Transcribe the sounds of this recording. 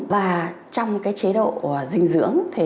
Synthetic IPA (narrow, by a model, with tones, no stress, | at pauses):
vaː˨˩ | t͡ɕɔ˧wŋ͡mkaː˨˦jt͡ɕe˨˦ɗo̰˧˨˩zï˧ŋ̟zɨ̰˧˥əŋt̪ʰi˨˩